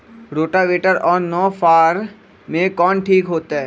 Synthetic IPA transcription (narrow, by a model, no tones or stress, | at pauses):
ɾoːʈaʋeːʈəɾɔːɾnɔːfaːɾ | mẽkɔːnʈʰiːkɦoːt̪aɦɛː